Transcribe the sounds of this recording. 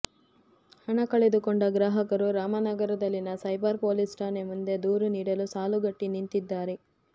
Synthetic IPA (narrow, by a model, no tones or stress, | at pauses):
hɐɳɐkɐɭed̪ukoɳɖɐɡɾaːɦɐkɐɾuɾaːmɐnɐɡɐɾɐd̪ɐlːinɐsɐjbɐɾpoːlisʈaːnemund̪e̞d̪uːɾuniːɽɐlusaːluɡɐʈːinint̪id̪ːaːɾe